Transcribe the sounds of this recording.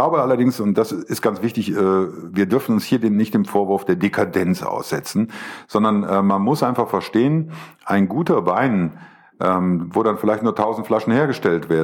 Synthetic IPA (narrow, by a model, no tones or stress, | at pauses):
laʊbəʔalɐdɪŋsʊnt̚d̥asɪstɡ̥ant͡sv̥ɪçtɪçɛːviːɐdʏɐfn̩ʊnshiːɐdenːɪçt̚d̥eːmfoːɐvʊɐfd̥eːɐdekʰadɛnt͡sʔa̰ʊsz̥ɛt͡sn̩z̥ɔndɐnʔɛːmanmʊsʔaɪnfaχfɛɐʃteːənʔaɪnɡuːtɐbaɪn | ʔɛːmvoːɾanfɪlaɪçtnuːɐtʰaʊzn̩tflaʃn̩heːɐɡəʃtɛltv̥eːɐd